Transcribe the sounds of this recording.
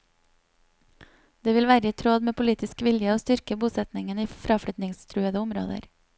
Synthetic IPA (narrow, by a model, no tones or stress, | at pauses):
d̪̥eːʋɪlʋæːɾəiːt̪ʰɾoːd̪meːpʰʊliːt̪ɪskʋɪljəoːst̪ʏɾkəbuːsɛt̪nɪŋəniːfɾɑːfɽʏt̪nɪŋst̪ʰɾʉːəðəʊmɾo̰ːd̪ə̰ɾ